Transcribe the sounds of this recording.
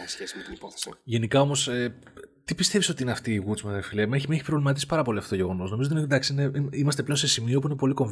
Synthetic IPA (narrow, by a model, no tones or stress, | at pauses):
sçesmet̪inipoθe̥sʝe̞nikɐo̞mo̞set̪ipist̪eviso̞t̪iineɐft̪iːɣut͡smefiliɐmeçmeçi̥pɾovlimɐt̪isi̥pɐɾɐpo̞liɐft̪ooʝe̞ɣo̞no̞sno̞miot̪ined̪ɐksiineiimɐst̪eplense̞simiop̬uine̞po̞liko̞ɱ